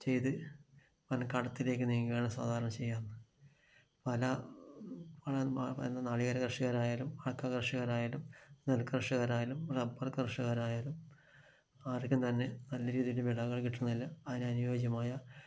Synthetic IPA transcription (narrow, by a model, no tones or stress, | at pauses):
t͡ɕe̞jt̪ɨ | pɐnkɐɽɐt̪ːile̞ːkʲːɨniːŋːijeːɳɐmsa̰ːd̪ʱaːɾɐɳɐmt͡ɕe̞jːaːnːɨ | pɐlɐ | pɐɭɐḛnːɐnaːɭiɣɐɾɐkrɐʂɐɣɐɾaːjaːlumɐɭɐkːaːkrʂɐɣɐɾaːjaːlumnelkɨrɐʂɐɣɐɾaːjaːlumrebːɐrkrʂɐɣɐɾaːjaːlum | aːrikʲːumt̪ɐnːe̞nɐlːɐɾiːðijundeʋiɭɐɣɐɭkiʈːunːɐlːɐːðineɐnujoːɡjɐmaːjɐ